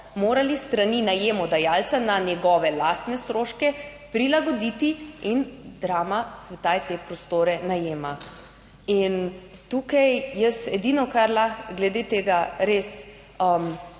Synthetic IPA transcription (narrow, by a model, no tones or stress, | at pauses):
moːɾalist̪ɾaninajeːmɔd̪ajalt͡ssananjɛɡɔːʋɛlast̪nɛst̪ɾoːʃkɛ | pɾilaɡɔd̪it̪iind̪ɾaːmasʋɛt̪aːjt̪epɾɔst̪oːɾɛnajeːma | int̪uːkajjəsɛd̪iːnɔkaɾlaxɡlɛd̪eːt̪eːɡaɾeːs | əm